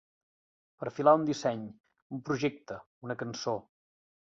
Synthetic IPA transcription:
pəɾfilaund̪isɛɲ | umpɾuʒɛk̚t̪ə | unəkənso

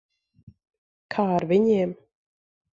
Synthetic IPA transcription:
kʰaːaɾviɲiɛm

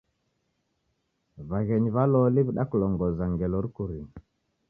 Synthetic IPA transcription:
βaɣɛɲβalɔliβiɗakulɔŋɡɔzaŋɡɛlɔɾikuɾiŋ

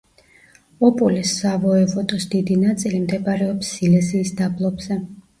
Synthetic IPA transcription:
ɔpʼulisːavɔɛvɔt̪ʼɔsd̪id̪inat̪sʼilimd̪ɛbaɾɛɔpsːilɛziːsd̪ablˠɔbz̥ɛ

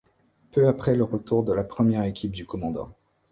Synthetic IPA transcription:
pøapχɛləʁət̪uʁd̪əlapχəmjɛʁekʲip̚d̪ykɔmɑ̃d̪ɑ̰̃

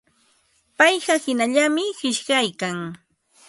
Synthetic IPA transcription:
pajɢɑhɪnaʎamɪhɪʃɢajkaŋ

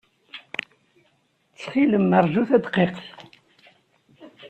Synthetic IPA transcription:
t͡sːχiləmːəɾˤʒuθæd̪qːeqθ

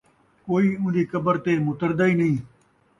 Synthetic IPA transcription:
koːiːʊ̃nd̪iːkəbəɾt̪eːmʊt̪əɾd̪aːiːnəĩː

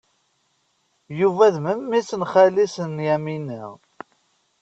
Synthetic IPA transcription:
juvæðməmːisənχælisənjæminəʁ

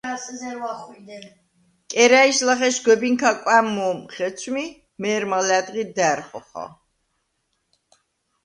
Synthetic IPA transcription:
szɛwaχwid̪ | kʼɛɾaiʃlaχɛʃɡɛbiŋkʰakʼwæmːɔːmχɛt̪sʰmi | mɛːɾmalæd̪ʁid̪æɾχɔχɔ̰

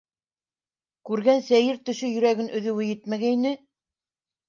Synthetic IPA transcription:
kʉɾɡænsæjɘɾt̪ɵ̆ʃɵjɵ̆ɾæɡɘnʔɵ̆ðɵ̆wɘjɘt̪mæɡæinɘ

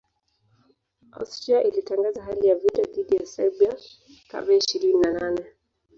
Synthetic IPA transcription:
a̰stɾiaʔilitaŋɡazaɦalijavitaðiɗijasɛɾbia | ka̰ɓɛiʃiɾininananɛ

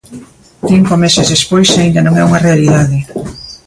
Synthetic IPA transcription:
θiŋkomesɪzðespojsaind̪ɐnõŋɛuŋɐrealiðaðɪ

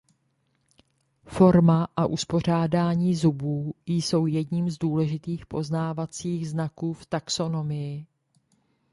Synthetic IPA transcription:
fo̞ɾmaʔaʔuspo̞r̝aːdaːɲiːzubuːjso̞wjɛdɲiːmzduːlɛʒɪt̪iːxpo̞znaːvat͡siːɣznakuːft̪akso̞no̞mɪjɪ

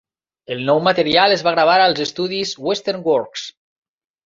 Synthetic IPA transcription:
əlˠnɔwmat̪əɾialˠezβaɣɾaβ̞aɾalˠzəst̪uðizwest̪eɾŋɡwɔɾks

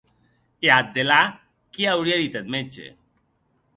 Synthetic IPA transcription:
eat̪̚d̪ela | kiawɾiaðit̪et̪̚met͡ʃḛ

